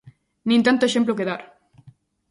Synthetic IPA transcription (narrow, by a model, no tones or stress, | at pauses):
nĩnt̪ant̪oeʃemp̬lokeðaɾ